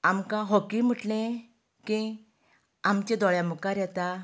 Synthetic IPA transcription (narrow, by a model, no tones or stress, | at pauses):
amkãɦokim̤uʈlẽ | kĩ | amt͡ɕed̪ɔɭjamukaɾjɛt̪a